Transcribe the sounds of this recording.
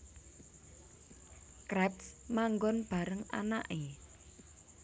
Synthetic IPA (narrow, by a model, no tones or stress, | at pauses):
kɾɛpsmaŋɡɔnb̥a̤ɾəŋa̰na̰ʔe